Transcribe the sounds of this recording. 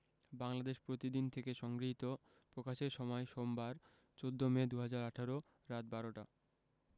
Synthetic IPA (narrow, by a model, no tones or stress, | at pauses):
baŋlad̪eʃpɾot̪id̪int̪ʰekeʃɔŋɡɾiɦit̪o | pɾokaʃeɾʃɔmɔeʃombaɾ | t͡ɕod̪ʱːomed̪uɦad͡ʑaɾaʈʰaɾo | ɾat̪̚baɾoʈa